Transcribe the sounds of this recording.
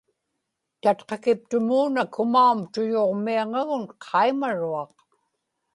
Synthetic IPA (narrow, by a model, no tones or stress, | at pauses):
t̪at̪qɑkɪp̚t̪ʊmuːnakʊmaumt̪ʊjoʁmiaŋaɣʊnqʰɑimaɻuɑq